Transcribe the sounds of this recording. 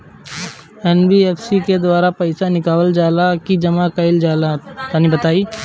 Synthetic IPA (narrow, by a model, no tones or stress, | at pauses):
ɛːnbieːfsiked̪waːɾapɐɪsanɪkaːwəld͡ʒaːlakid͡ʒɐmakɐɪld͡ʒaːlat̪anibɐt̪aːiː